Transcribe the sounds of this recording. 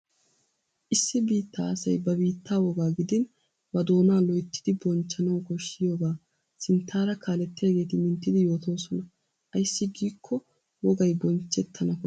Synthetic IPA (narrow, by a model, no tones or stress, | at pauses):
ʔɪsːɪbiːt̪ʰːa̰ːɐsɐ̰jbɐbiːt̪ʰːaːwɔɡaːɡɪd̪ɪn | bɐd̪o̞ːnaːlɔjt̪ːɪ̥d̪ɪbɔnt͡ʃːɐnɐwkɔʃːɪjoːɡaː | sɪnt̪ʰːaːɾɐkaːlɛt̪ːɪjaːɡe̞ːt̪ɪmɪnt̪ːɪd̪ɪjo̞ːt̪o̞ːsɔnɐ | ʔɐjsːɪɡiːkʰːɔ | wɔɡɐjbɔnt͡ʃːɛt̪ʰːɐnɐkɔ